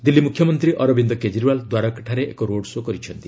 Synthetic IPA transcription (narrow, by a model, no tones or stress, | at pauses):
d̪ilːimukʰjɔmɔnt̪ɾiʔɔɾɔbind̪ɔked͡ʒiɾuwald̪waɾɔkḁʈʰaɾeʔḛkoɾoɽsokɔɾit͡ʃʰɔnt̪i